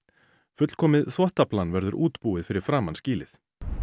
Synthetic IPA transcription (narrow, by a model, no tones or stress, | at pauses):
fʏt̪l̥kʰɔːmɪðθvɔht̪aplanːvɛɾðʏɾʔuːt̪puːɪðfɪɾɪɾ̥fɾaːmansciːlɪθ